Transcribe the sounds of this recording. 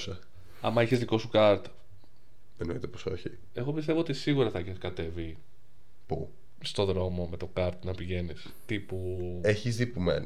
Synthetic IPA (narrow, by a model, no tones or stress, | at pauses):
sɐ | ɐ̰mɐeçezðiko̞sukɐɾt̪ | ðenoḭt̪eposo̞̰çi | e̞ɣo̞pist̪e̞voot̪isiɣuɾɐθɐiçekɐt̪e̞vi | pu | st̪o̞ðɾo̞mo̞me̞t̪o̞kɐɾt̪nɐpiʝe̞nis | t̪ipueçizðipumḛn